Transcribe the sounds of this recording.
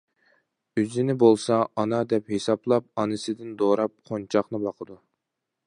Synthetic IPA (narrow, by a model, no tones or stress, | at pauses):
yzɪnɪbolˠsɑɑnɑd̪ɛphesɑplˠɑp̚ɑnɨsɪd̪ɪnd̪oɾɑp̚qʰont͡ʃʰɑχnɨbɑqʰəd̪u